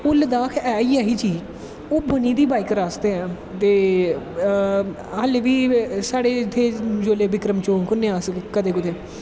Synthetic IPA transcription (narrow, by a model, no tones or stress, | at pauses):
ʊləd̪aːkʰɛːiːaːɦiːd͡ʒiː | oːbəniːd̪iːbaːikɾaːsd̪eːɛ̃ː | t̪eː | əleʋiːsaːɽeːt̪ʰeːd͡ʒoːleːbɪkɾəmt͡ʃõːkʊnẽːaːsəkkəd̪eːkʊd̪eː